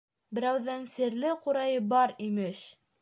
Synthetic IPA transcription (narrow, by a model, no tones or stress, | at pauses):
bɘ̆ɾæwðænsɘ̆ɾlɘquɾɑjɤbɑɾimɘʃ